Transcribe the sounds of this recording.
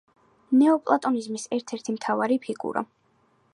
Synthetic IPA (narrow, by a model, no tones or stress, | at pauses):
nɛɔpʼlˠat̪ʼɔnizmisɛɾt̪ʰɛɾt̪ʰimt̪ʰavaɾipʰiɡʼṵɾɔ̰